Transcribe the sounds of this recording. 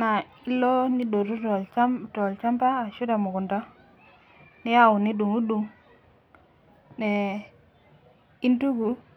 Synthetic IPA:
na˨ | i˦lːo˦ni˦do˨ɾu˦to˨lt͡ʃa˦mtɔ˨lt͡ʃa˦mpaː˦˨ʃu˦da˨mu˨ku˨nda˦ | ni˦ja˦wu˨ni˦du˨ŋu˦du˨ŋ | ne˨ | i˦ntu˦ɡu˨˦

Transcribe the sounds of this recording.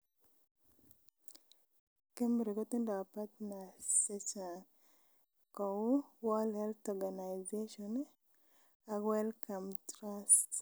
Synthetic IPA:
ke˦mɾi˨kɔ˦tɪ˦ndɔ˨a˨pa˦tna˨se˦t͡ʃa˨ | kɔ˨u˦wɔ˦lhɛ˦ltɔɡa˨na˨jzeʃɔn | awɛ˦lkʰa˨mtɾast

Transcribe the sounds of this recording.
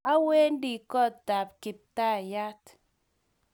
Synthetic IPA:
a˦we˦n˦di˨kɔ˦˨tta˨p̚kɪ˨p̚ta˦˨ja˦t

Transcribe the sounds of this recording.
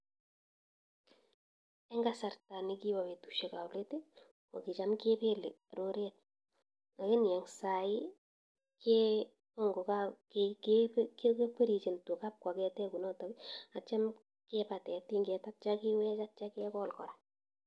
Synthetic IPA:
ɛ˦ŋɡasa˨rta˨ni˦ki˦ba˨we˨tu̥ʃe˨ka˨wle˦ti˦ | o̰˨ki˨t͡ʃamke˦pe˦lḛ˨ | ɾo˦ɾet̚ | a˨ki˦njɛ˨ŋsa˨i | kɛ | ɔ˦ŋɡo˨kakkːkkek͡pe˦ɾi˨t͡ʃe˨nto˨kap̚kwa˨kɛ˦tɛ˦ku˨nɔ˦tɔ˨bia˨t͡ʃa˦m | kɛpa˨tɛ˨ti˦ŋɡɛta˦t̚t͡ʃakɪwɛ˦t͡ʃat̚t͡ʃa˦kɛkɔ˦lkɔ˨ɾa˨

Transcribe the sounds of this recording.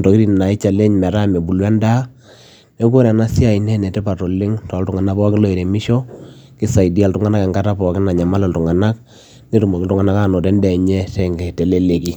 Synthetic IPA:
tɔ˨ki˦ɾi˦n˨na˨ɪ˦t͡ʃa˨le˦ɲmɛ˨ɾa˦me˨bu˨lwɛ˦nda˦ | me˦ko˦ɾɛ˨na˦si˦a˨i˨nɛ˦nɛ˨tɛ˦pa˨to˨lɪ˦ŋtɔ˨˦ltʊ˨ŋa˨na˦pɔ˦kɪ˦lo˨e˨ɾe˨mɪ˦ʃɔ˦ | kɪ˦sa˨i˨di˦a˨ltʊ˨ŋa˦na˦kɛ˨ŋɡa˦ta˦pɔ˨˦kɪ˦na˨ɲa˨ma˦lɛ˨ltu˨ŋa˨na˦k̚ | ne˦tu˨mo˨kɪ˦ltʊ˦ŋa˨˦na˦ka˦˨no˨tɛ˦ndɛ˨ɲɛ˦tɛ˦˨ŋɡɛ˨te˨le˦le˨ki˨

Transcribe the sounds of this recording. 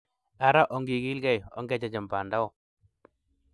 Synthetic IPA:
a˨ɾa˦ʔɔ˨ŋɡi˨ɡi˦lɡɛ˦jɔ̰˦ŋɡɛ˦d͡ʒa˨d͡ʒɛ˨mpa˨nda˦ɔ˦˨

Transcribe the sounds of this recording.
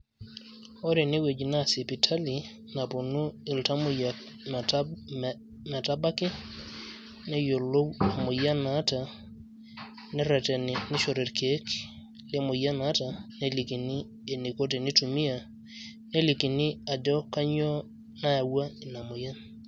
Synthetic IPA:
ɔ˦ɾe˨ni˦we˨d͡ʒna˦˨si˨pi˨tʰa˦li˨ | na˨po˨nu˦ɪ˨lta˦mʊ˦ja˨k | ma˨ta˦ba˦kɪ˦ | nɛ˦jo˨lo˦wa˨mo˨ja˦na˨˦ta˨ | nɛ˦ɾɛ˨tɛ˨nɪ˨ni˦ʃo˨ɾe˨ɾke˦k | lɪ˦mo˨ja˦na˦ta˨ne˦li˨ki˨ni˦ | e˨ni˨ko˦te˨ni˦tu˨mi˦a˨ | ne˦li˨ki˨ni˦a˨dɔ˦ka˦ɲɔ˦ | na˦a˨wa˦i˨na˨mo˨ja˦n

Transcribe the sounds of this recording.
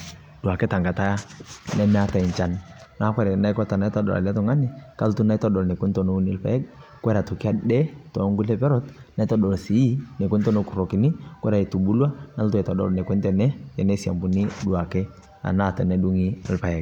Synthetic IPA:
du˨a˨kɛ˦ta˨ŋɡa˨ta˦ja˦nɛ˦mɛ˦a˦ta˨i˨nt͡ʃa˦nna˦kʷwɛ˦ɾɛ˨na˦jkɔ˦ta˨na˦tɔ˦dɔ̰˨la̰˨la˦tɔ˨ŋa˦ni˦ka˦ltu˦na˦i˦tɔ˦dɔ˨lnɛ˨ku˦ntɔ˨no˦ni˦lpa̰˨˦ɛ˦k̚kwɛ˦ɾa˨to˨ki˦a˦ɗɛ˦tɔ˨˦ŋɡu˦lɛ˦pɛ˦ɾɔ˦t̚na˦i˦tɔ˦dɔ˨lsi˨i˦nɛ˨ku˦ntɔ˦no˦ku˨ɾɔ˨ki˨ni˦ku˦ɛ˦ɾa˨i˨tu˨bu˦lwa˦na˦ltu˦ɛ˨tɔ˨dɔ̰˨lnɛ˨kʷɛ˦ntɛ˨nɛ˦jɛ˨nɛ˦si˨a̰˨mbu˨ni˦du˨a˨kɛ˦ | a̰˨na˦˨ta˨nɛ˦du˦ŋi˦a˨lpa˨jɛ˨ɡ

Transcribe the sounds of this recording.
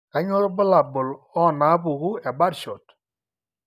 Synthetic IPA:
a˦ɲɔ˦ɾbʊ˦la˨bʊ˨lɔ˦˨na˨˦pu˨ku˦ɛ˨ba˦ɾʃo˨t

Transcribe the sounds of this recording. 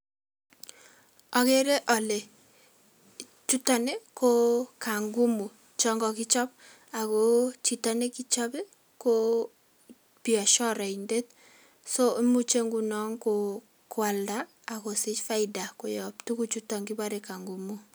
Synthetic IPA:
ɔ˨ke˦ɾe˦ʔɔ˨le˨ | t͡ʃu˦tɔ˨ne˦ko˦ka˨ŋɡu˦mu˨ | t͡ʃɔ˦ŋɡɔ˨ki˦t͡ʃɔ˦p̚ | a˨ko˦t͡ʃi˨tɔ˦ne˦ki˦t͡ʃɔ˦be˦ | ko˦ | piɔ˨ʃɔ˦ɾa˨i˨nde˦t̚ | so˦mu˦t͡ʃe˦ŋɡu˨nɔ˦ŋko˨ | kwa˨ldaː˦˨ | ko˨sɪ˦t͡ʃfa˦ɪda˨ko˨jɔ˨ptu˦ku˦t͡ʃu˦tɔ˨ŋɡi˦ba˦ɾe˨ka˨ŋɡu˨mu˦

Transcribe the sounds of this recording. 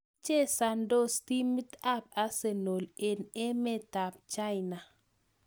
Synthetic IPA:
t͡ʃe˦sa˨ndo˦sti˦mi˦t̪a˦p̚a˦se˨no˨le˨nɛ˦mɛ˦ta˨p̚t͡ʃa˦ɪna˨

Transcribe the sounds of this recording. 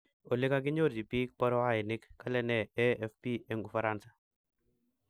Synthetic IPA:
o˨le˦ka˦ɡ̬ɪ˦ɲo˦ɾd͡ʒi˨pi˦k̚pɔ˦ɾɔ˦a˦˨ɪ˨nɪ˦kːa˦lɛ˦nɛ˨ɛ˦ɛ˦fpi˦ɛ˦ŋu˨fa˨ɾa˦nsḁ˨

